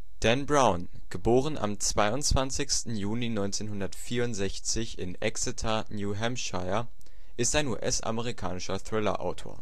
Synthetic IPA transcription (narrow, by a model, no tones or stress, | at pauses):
d̥ɛnbʁaʊn | ɡ̥əboːʁ̞əna̰mt͡sv̥aɪʊntt͡sv̥ant͡sɪçstn̩juːlinɔʏnt͡seːnhʊndɐtfiːɐʊntz̥ɛçt͡sɪçɪnʔɛ̰ksɪtʰa | njuːɦɛmʃaɪɐ | ʔɪstaɪnṵːʔɛsa̰məʁ̞ikʰa̰ːnɪʃɐθʁ̥ɪlɐ̰ʔa̰ʊtʰo̰ːɐ